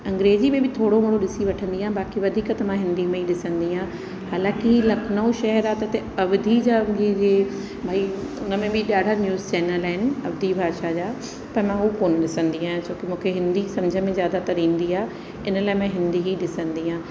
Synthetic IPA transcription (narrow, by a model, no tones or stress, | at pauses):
ɐ̃ŋɡɾeːzimẽbʱɪt̪ʰoːɽomɐɽoɗɪsiʋɐʈʰə̃nd̪iːãbaːkiʋɐd̪ʱiːkət̪ɐmãɦɪ̃nd̪imẽiɗɪsə̃nd̪iãː | haːlãːkɪilɐkʰnəõʃɐɦɛɾaːt̪ɐt̪e | ɐʋd̪ʱid͡ʑaːie | bʱaːiʊnə̆mẽbʱɪɗaːɖʱanjuːzt͡ɕɛːnəlaːɦɪnɪ̆ɐʋd̪ʱibʱaːʃad͡ʑaː | pɐɾmãɦukoːnɗɪsə̃nd̪iãːt͡ɕoːkɪmũːkʰeɦɪ̃nd̪isɐ̃md͡ʑʱəmẽzjaːd̪at̪ɐɾĩːnd̪iaː | ɪnəlaːɪmẽɦɪ̃nd̪iɦiɗɪsə̃nd̪iːãː